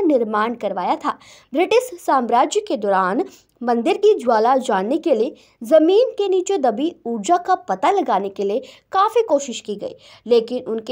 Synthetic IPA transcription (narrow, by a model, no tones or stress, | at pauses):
nɪɾmaːɳkɐɾʋaːjat̪ʰaː | bɾɪʈɪʃsãːmɾaːd͡ʒjəked̪ɔːɾaːn | mɐ̃nd̪ɪɾkid͡ʒʊaːlad͡ʒaːnːekelie | zɐmiːnkeniːt͡ʃed̪ɐbiuːd͡ʒakapɐt̪alɐɡaːnekeliekaːfikoːʃɪʃkiɡɐ̰ḭː | leːkɪnʊnk